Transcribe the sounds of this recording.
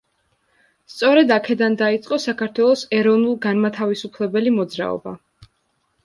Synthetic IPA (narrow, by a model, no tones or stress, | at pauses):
st̪sʼɔɾɛd̪akʰɛd̪and̪ait̪sʼqʼɔsakʰaɾt̪ʰwɛlˠɔsɛɾɔvnulˠɡanmat̪ʰavisupʰlɛbɛlimɔd̪zɾa̰ɔ̰ba̰